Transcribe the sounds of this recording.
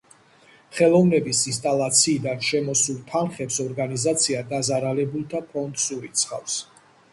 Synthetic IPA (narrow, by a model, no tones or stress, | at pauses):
χɛlˠɔvnɛbisins̬t̪ʼalˠat̪sʰiːd̪anʃɛmɔsulˠt̪ʰanχɛpsɔɾɡanizat̪sʰiad̪azaɾalɛbulˠt̪ʰapʰɔnd̪suɾit̪sʰχa̰fs